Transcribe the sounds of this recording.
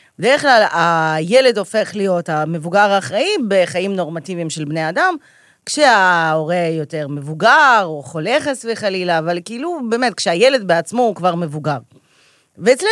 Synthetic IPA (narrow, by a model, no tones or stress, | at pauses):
bedeχlalaje̞le̞do̞fe̞χlijo̞tame̞vuɡaʁaːχʁaibe̞χaimno̞ʁmativimʃe̞lbne̞adam | kʃeao̞ʁe̞jo̞te̞ʁme̞vuɡaʁoχole̞χesveχalilaːvalkiilube̞ːmet̪̚kʃeajele̞d̪beat͡smo̞ukvaʁme̞vuɡaʁ | veːt͡sle